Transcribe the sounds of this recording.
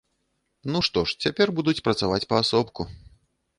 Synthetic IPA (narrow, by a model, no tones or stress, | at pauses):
nuʂt̪ɔʂt͡sʲapʲɛrbud̪ut͡sʲpɾɐt̪savat͡sʲpɐːsɔpku